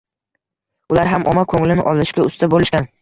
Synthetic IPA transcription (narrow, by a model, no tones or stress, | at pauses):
ʊlaɾɦamʔɒmakʰɵŋlɪnɪʔɒlˠɪʃkʲaʊst̪ʰabolɪʃkʲan